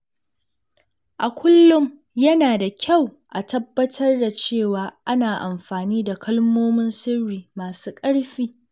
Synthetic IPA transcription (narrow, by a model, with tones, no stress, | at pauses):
ʔa˨kʷʰʊ˦lːʊ˦m | jɐ˦naː˨da˨kʲʰa˦˨wʔa˨tʰɐ˦bːɐ˦tʰɐ˦rda˨t͡ʃeː˦˨waː˨ʔa˦naː˨ʔa˨mɸaː˨niː˦da˨kʰɐ˦lmoː˦mɪ˦nsɪ˦rːiː˨maː˨suː˦kʼɐ˦ɽɸiː˦